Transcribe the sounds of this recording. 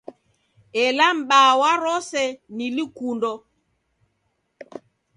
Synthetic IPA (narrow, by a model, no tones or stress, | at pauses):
ɛlam̩ɓaːwaɾɔsɛnilikundɔ